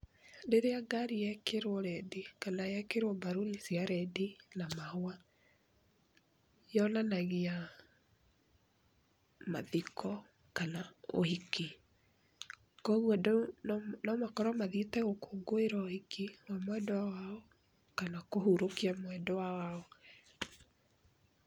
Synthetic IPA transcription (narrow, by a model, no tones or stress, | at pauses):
deɾeaɡaɾijɛkeɾwɔɾɛdikanajɛkeɾwɔbaɾonisiaɾɛdinamahoa | jɔnanaɣea | ma̰ðikʰɔ | kanao̰hiki | kɔɣwɔd | nɔmakɔɾɔmaðitɛɣokoɡoeɾaɔhikiwamwɛdɔwawaɔ | kanakoɦuɾokiamwɛdɔwawaɔ